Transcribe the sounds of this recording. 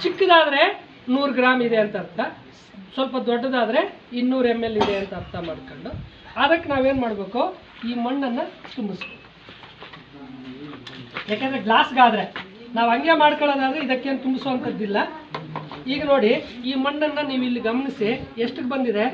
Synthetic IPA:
t͡ʃikːɐd̪aːd̪ɾe̞ | nuːɾɡɾaːmid̪e̞ɐnt̪ɐɐɾt̪ʰːɐ | sʋɐlpɐd̪ɔɖːɐd̪aːd̪ɾe̞ | inːuːɾemːelːid̪eɐnt̪ɐɾt̪ʰːɐmaːɖkoɳɖu | ɐd̪ɐkːenaːʋe̞ːnmaːɽbe̞ːkoː | iːmɐɳːɐnːɐt̪umbisbeku | jaːkend̪ɾeɡlaːsɡaːd̪ɾe̞naːʋɐŋɡemaːɽkɐɭoːd̪aːd̪ɾeid̪ɐkːe̞ːnut̪umbisoɐnt̪ɐd̪ːilːɐ | iːɡɐno̞ːɽiiːmɐɳːɐnːɐniːʋilːiɡɐmɐnisieʂʈɨɡbɐnd̪id̪e

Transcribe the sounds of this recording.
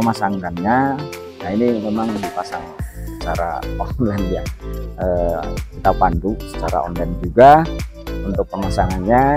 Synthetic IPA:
əmasaŋkanɲa | nainimemaŋdipasaŋssə̥t͡ʃa̰ɾa̰ɔnlanjaəkit̪apand̪usə̥t͡ʃaɾa̰ɔ̰nland͡ʒuɡa | unt̪ʊk̚pəmasaŋanɲa

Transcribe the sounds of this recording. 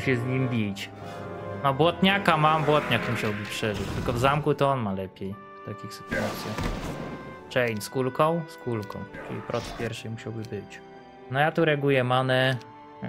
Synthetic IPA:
ɕɛzɲimbʲit͡ɕ | nɔbwɔt̪ɲakamambwɔt̪ɲakmuɕawbɘpʂɛʐɘt͡ɕt̪ɘlkɔvzamkut̪ɔɔnmalɛpʲjɛj | t̪akʲixsɘ̥t̪uat̪sʲjax | t͡ʂɛjnʲskulkɔ̃w̃skulkɔ̰̃w̃t͡ʂɨ̰lʲipɾʔɔt̪pʲjɛɾʂɛjmuɕawbɘbɘt͡ɕ | nɔjat̪uɾɛɡujɛmanɛ

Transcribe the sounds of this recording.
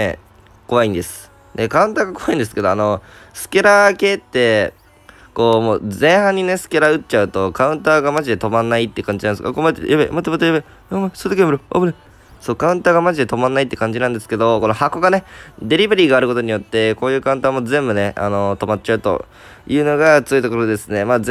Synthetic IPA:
e | ko̞βaĩnd̪e̞sɨ̥ | nekaɯ̃nt̪aːɡako̞βaĩnd̪e̞sɨ̥ke̞d̪o̞ano̞ | sɨ̥keɾake̞ːt̪ːe̞ | ko̞ːmo̞ːzẽ̞ɰ̃hãɲ̟ːine̞sɨ̥ke̞ɾaɯ̟t͡ɕaɯ̟t̪o̞kaɯ̟̃nt̪aːɡamaʑid̪e̞t̪o̞mãnːait̪ːekãɲ̟d͡ʑinãnska̰komat̪ːejabḛmat̪ːemat̪ːjabe | msoɾt̪okʲemɯɾoo̰bɯɾe | so̞ːkaɯ̟̃nt̪aːɡamaʑid̪e̞t̪o̞mãnːait̪ːe̞kãɲ̟d͡ʑinãnd̪esɨ̥ke̞d̪o̞ko̞no̞hako̞ɡane̞d̪e̞ɾʲibeɾʲiːɡaːɾɯ̟ko̞t̪o̞ɲ̟ijo̞t̪ːe̞ko̞ːjɯ̟ːkaɯ̟̃t̪aːmo̞zẽ̞mbɯ̟ne̞a̰no̞t̪o̞mat̚t͡ɕaɯ̟t̪o̞̰ | jɯ̟ːno̞ɡat͡sɨjoit̪o̞ko̞ɾo̞d̪esɨne̞maː

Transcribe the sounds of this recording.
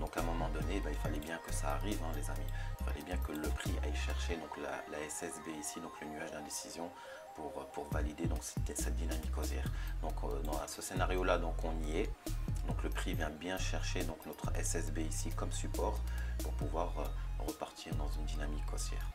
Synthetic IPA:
d̪ɔ̃kɛ̃mɔmɑ̃d̪ɔnebailfalɛbjɛ̃kəsaːʁivɛ̃lezamiilfa̰lɛbjɛ̃kələpχiʔa̰jʃɛʁʃed̪ɔ̃kla̰laɛsɛsbeisid̪ɔ̃klənyaʒd̪ɛ̃d̪esizjɔ̃ | puʁpuʁvalid̪ed̪ɔ̃ksɛsɛt̪̚d̪inamikːɔsjɛːʁd̪ɔ̃kd̪̃a̰səsenaʁjolad̪ɔ̃kʰɔ̃niɛd̪ɔ̃kləpχivjɛ̃bjɛ̃ʃɛʁʃed̪ɔ̃knɔt̪χɛ̰sɛsbeisikɔmsypɔʁpuʁpuvwaʁøʁəpaʁt̪ʰiʁd̪ɑ̃zynd̪inamikʰːɔsjɛ̰ːʁ

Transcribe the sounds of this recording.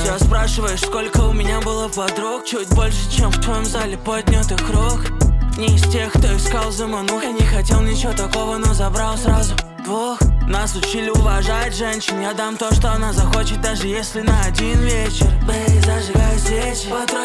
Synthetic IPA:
jaspɾaʂɨvəjʊsko̞lʲkəʊmʲɪnʲabɨlˠəpɐd̪ɾok̚t͡ɕut̚ʲbo̞lʲʂɨ̥t͡ɕemft̪vɐjomzalʲɪpod̪ʲnʲot̪ɨxkɾoknʲɪɪstʲe̞xkt̪o̞ɪxskalˠzəmanoxjanʲɪxɐtʲe̞lˠnʲɪt͡ɕɪvot̪ɐko̞vənozɐbɾalˠsɾazʊ | d̪voxnasʊt͡ɕilʲɪʊvɐʐat̚ʲʐɛnʲɕɪnjad̪amt̪o̞ʂt̪oɐnazɐxo̞t͡ɕɪt̪̚d̪aʐɨjesʲlʲɪnəɐdʲinvʲet͡ɕɪrzəʐɨɡajʊsvʲe | ɐk

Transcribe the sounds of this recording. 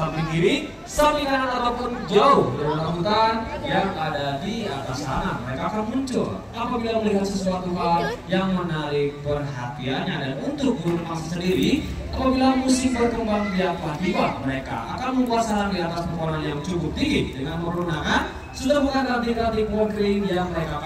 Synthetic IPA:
apiɡiɾi | saminanat̪aɾap̪ɔnd͡ʒaʊhdəunabuk̪anjaŋadadiat̪asanat̪̚məɾekaːkanmuɲt͡ʃʊ̰l | apabilaməliɦat̪̚səsuat̪uɦajaŋmənaɾɪk̚pərɦat̪ianɲadanunt̪ʊk̚buɾunmasasəndiɾi | ʔapabilamusɪhbərkəmbaŋt̪iap̪ad͡ʒiwaməɾeka̰ʔa̰kanməmbuasanadiat̪aspərpaɾanjaŋt͡ʃukʊp̚t̪iɡɪt̚dəŋanməɾunakan | sudahbukanat̪̬ikat̪iklɔɡɾiŋjaŋməɾekak

